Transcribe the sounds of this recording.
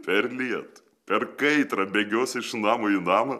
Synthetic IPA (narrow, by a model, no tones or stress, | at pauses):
pʲɛɾʲlʲiɛt̪ | pʲɛrkɐɪt̪ɾɐbʲeːɡʲoːsʲɪʃnɑːmoinɑːmɐ